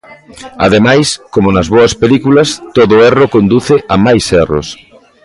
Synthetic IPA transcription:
a̰ð̞emajskomonɐzβoɐspelikulɐst̪oðʊɛrokond̪uθɪʔɐmajsɛro̰s

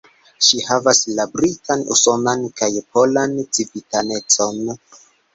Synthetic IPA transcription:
ʃihavaslabɾitanṵso̞nankajpo̞lant͡sivitane̞t͡so̞n

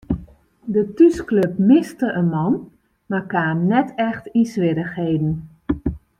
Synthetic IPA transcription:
dətyskløpmɪstəʔənmɑn | markaːmnɛtɛxtisʋɪɾəxhejdn̩

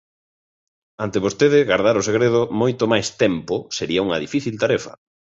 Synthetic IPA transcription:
ant̪eβost̪eðɪɣaɾðaɾoseɣɾeð̞omojt̪omajst̪ɛmposeɾiɐuŋɐðifiθilt̪aɾɛfɐ̰

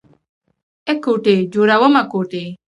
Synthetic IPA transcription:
ɛkoʈed͡ʒoɾawɔmakoʈe

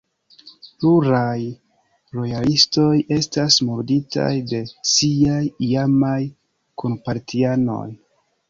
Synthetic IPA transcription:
pluɾaj | ɾo̞jalisto̞je̞stasmuɾdita̰jde̞siajiamaj | konpaɾtiano̞̰j

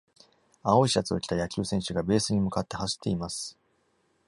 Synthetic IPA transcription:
ao̞iɕat͡sɨo̞kʲi̥t̪ajakʲɨːsẽ̞ɰ̃ɕɨɡabe̞ːsɨɲ̟imɯ̟kat̪ːehaɕi̥t̪ːe̞imasɨ̥

